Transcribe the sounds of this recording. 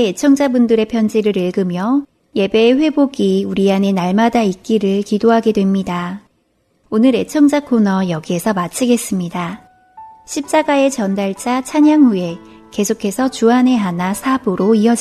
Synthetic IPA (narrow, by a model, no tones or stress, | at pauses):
eet͡ɕʰʌŋd͡ʑabundɯɾe̞pʰjʌnd͡ʑiɾɯɾiɭɡɯmjʌ | je̞be̞ːɸwe̞boɡiuɾiane̞naɭmadaik͈iɾɯɭkidoɦaɡe̞dwe̞mɲida | onɯɾe̞t͡ɕʰʌŋd͡ʑakʰonʌjʌɡie̞sʰʌmat͡ɕʰiɡe̞s͈ɯmɲida | ɕʰip̚t͡ɕ͈aɡae̞t͡ɕʌndaɭt͡ɕ͈at͡ɕʰaɲaŋɦue̞ke̞sʰokʰe̞sʰʌt͡ɕuɦane̞ɦanasʰabuɾoiʌd͡ʑ